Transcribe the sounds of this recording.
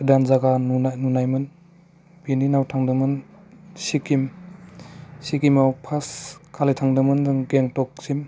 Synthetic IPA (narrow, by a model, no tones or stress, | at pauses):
danzaɡanununajmɯn | bininawtʰaŋdɯmɯn | sikim | sikimawpʰaskʰalitʰaŋdɯmɯnɡeŋtɔk̚sim